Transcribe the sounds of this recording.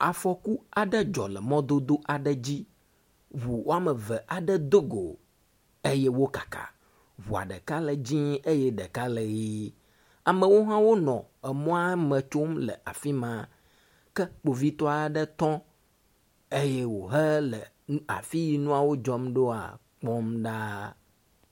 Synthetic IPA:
a˨fɔ˨ku˦a˨ɖə˦d͡ʒɔ̰˨lɛ˨mɔ̃˦d̪o˦d̪o˦ʔa˨ɖə˦d͡ʑi˦ | βu˨wo˦a˦mə˨və˨ʔa˨ɖə˦d̪o˦ɡo̰˨ | e˦jɛ˦wo˦kḁ˨ka̰˨ | βu˨a̰˨ɖə˨ka˦lə˨d͡ʑĩ˦e˦jɛ˦ɖə˨ka˦lə˨ɣi˦ | a˨mə̃˨wo˦ɦã˦wo˦nɔ̃˨ɛ˨mɔ̃˦a˦mə̃˨t͡ʃo˦mlə̰˨ʔa˨fi˦mã˨ | kɛ˦k͡po˨vi˦t̪ɔ˦a˨ɖə˦t̪ɔ̃˦ | e˦jɛ˦wo˨ɦə˦lə˨ | a̰˨fi˦ji˨nũ˦a˨wo˦d͡ʒɔ˦mɖo˦a̰˨ | k͡pɔ˦mɖa˦

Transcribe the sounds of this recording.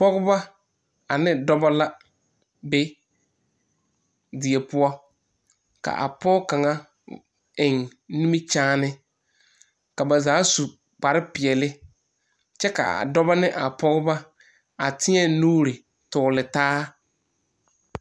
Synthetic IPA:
pɔ˦ɣʊ˦ba˦ | a˨nɪ̃˦dɔ˦ba˦la˦ | be˦ | dɪ˨e˨pʊ˦ɔ˦ | ka̰˨ʔa̰˨pɔ˦ka˨ŋa˦ | ɪ˨ŋnĩ˦mi˦t͡ʃaː˦nɪ˦ | ka˨ba˨zaː˨˦su˨ | k͡pa˨ɾɪ˦pɪ˨ɛ˨lɪ˦ | t͡ʃɛ˦ka̰˨a̰˨dɔ˦ba˦nɪ˦ʔa˨pɔ˦ɣʊ˦ba˦ | a˨tʰɪ˦ɛ˦nuː˦ɾɪ˨ | tʊː˨lɪ˨taː˦

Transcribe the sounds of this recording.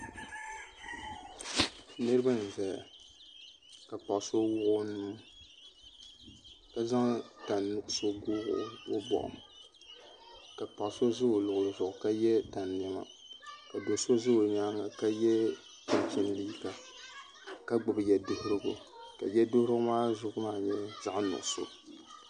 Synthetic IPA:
nɨ˦ɾɨ˦ba˦n̩˨za˨ja˨ | ka˨pa˨ʔso˦wʊ˦ʔʊ˦nuː˦ | ka˦za˦ŋta˨nːʊ˦ʔʊ˦so˦ɡʊː˦ɣʊ̰˨˦o˦bɔ̰˨ʔʊ̰˨m | ka˨pa˨ʔso˦zɨ˦o˨lʊ˨ʔʊ˨lɨ˨zʊ˨ʔʊ˨ka˦jɛ˦ta˨nmɛ˨ŋa̰˦˨ | ka˨do˨so˦zɨ˦o˨ɲa˦ŋa˨ka˦jɛ˦ | tɪ˨m˨t͡ʃɪ˦n˦li˦ka˨ | ka˦ɡ͡bʊ˨bɨ˨jɛ˨dɨ˦hɪ˦ɾɨ˦ɡʊ˨ | ka̰˨jɛ˦do˦ɾʊ˦maː˦zʊ˨ʔmaː˦˨ɲɛ˦za˦ʔnʊ̰˨ʔso̰˦

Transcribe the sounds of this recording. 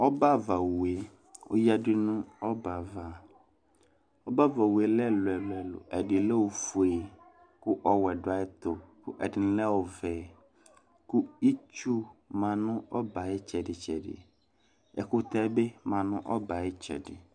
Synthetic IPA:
ɔ˦ba˦˨va˨wu˨e˦˨ | ʊ̰˦ja˦dɪ˦nʊ̃˦ɔ˦ba˨va˨ | ɔ˦ba˦va˨we˨lɛ˦lʊ˨ɛ˨lʊ˨ɛ˨lʊ̰˨ʔɛ˨dɪ˨lɛ˦wo˨fu˨e˨ | kʊ˦ʔɔ˦wɛ˨dʊ˨a˨˦ɪ˦t̪ʊ˨kʰʊ̰˦ʔɛ˨dɪ˨n̩˦lɛ˦wɔ˨vɛː˨ | kʊ˦i˦t͡ʃu˦mã˨nʊ̃˦ɔ˦ba˨ɪ˦t͡ʃʰɛ˨dɪ˨t͡ʃʰɛ˨dɪ̰˨ | ɛ̰˨kʊ˦t̪ɛ˦be˦mã˨nʊ̃˦ʔɔ˦ba˨ɪ˦t͡ʃʰɛ̰˨dɪ̰˨

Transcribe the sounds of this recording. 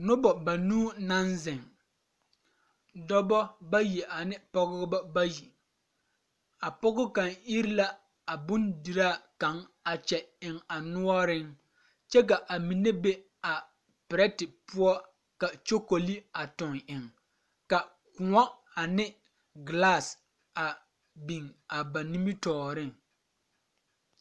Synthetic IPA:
nʊ˦bɔ˨ba˨nuː˦na˦nzɪ˨ŋ | dɔ˦bɔ˦ba˦ji˨ʔa˨nɪ˦pɔ˦ɡʊ˦bɔ˦ba˦ji˨ | a˨pɔ˦ɡʊ˦ka˨ni˦ɾɪ˦la˦ | a˨bʊ˦ndi˨ɾaː˦˨ka˨˦ŋa˨t͡ʃɛ˨ɪ˨ŋa˨nʊ˦ɔ˦ɾɪ˦ŋ | t͡ʃɛ˦k̬a˨ʔa˨mi˨ne˦be˦ | a˨ | pɪ˨ɾɛ˦tɪ˨pʊ˦ɔ˦ | ka˨t͡ʃo˦ko˨li˦a˨tʊ˨ŋɪ˨ŋ | ka˨ | kʊ˨ŋɔ˦ | a˨nɪ˦ | ɡla˦˨s | a˨ | bi˨ŋa˨ba˨ni˦mi˦tɔː˨ɾɪ˦ŋ

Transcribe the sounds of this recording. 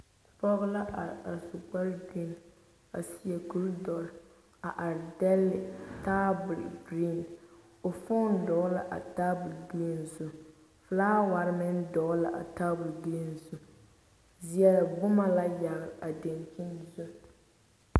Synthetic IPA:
pɔ˦ɣla˦ʔa˨a˨su˨k͡pa˦ɾɡi˦n˨ | a̰˨si˨˦ɛ˨ɡu˦ldɔ˨ɾ | a˨ʔa˨ɾdɛ˦lːɪ˨taː˦bʊ˨lɡɾi˦˨n | o˨fʊ˦n˦dɔ˨˦la˦ʔa̰˨taː˦bʊ˨lɡɾi˦n˨zʊ˦ | flaː˦wa˨ɾɪ˦mɪ˦n˦dɔ˨˦la˨ʔa̰˨taː˦bʊ˨lɡi˦n˨zu˨ | zi˨ɛ˨la˨bʊ˦ma˦la˦ja˨ɾɾa˨de˨nt͡ʃi˦nzʊ˦

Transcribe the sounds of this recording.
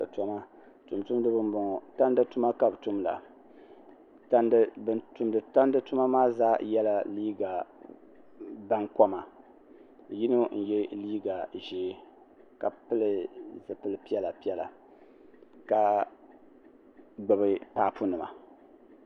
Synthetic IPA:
tɔ˦ma˦ | tʊ˨mtu˦m˦dɨ˦bɨ˦nbɔ˨ŋ˨ta˦n˦dɨ˦tu˦ma˦ka˦btu˦mla̰˨ | ta˦ndbɨ˦ntu˨mdɨ˨ta˦n˦dɨ˦tʊ˦ma˦maː˦zaː˦jɛ˦la˦liː˦ɡa˨ | ba˦ŋkɔ˦ma˨ | ji˦no˦n̩˨jɛ˦liː˦ɡa˨ʒɛː˨˦ | ka˨pɨ˦lɨ˨zɨ˨pɨ˦lɨ˦pi˦ɛ˦la˨pi˦ɛ˦la̰˨ | ka˦ | ɡ͡bɨ˨bɨ˦pa˦ʔpʰu˦nɨ˨ma̰˨

